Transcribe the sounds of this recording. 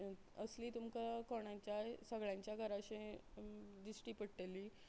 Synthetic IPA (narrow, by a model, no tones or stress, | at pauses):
əsliːt̪umkakoɳãɲt͡ɕjasəɡɭjãɲt͡ɕjaɡʱəɾaɕẽ | d̪isʈiːpəɽʈeli